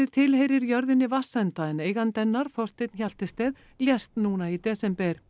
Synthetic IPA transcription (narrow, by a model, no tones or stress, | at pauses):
ɪt̪ʰɪlhejɾɪɾjœɾðɪnːɪvasːɛnt̪aɛneːjɣant̪ɛnːaɾ̥θɔst̪ɪjt̪nçal̥t̪ɪst̪ɛːð | ljɛst̪nuːnait̪ɛːsɛmpɛɾ̥